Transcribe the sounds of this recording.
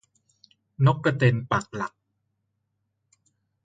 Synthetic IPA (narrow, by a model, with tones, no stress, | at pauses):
no˦˥kːa˧t̪e˧npa˨˩k̚la˨˩k̚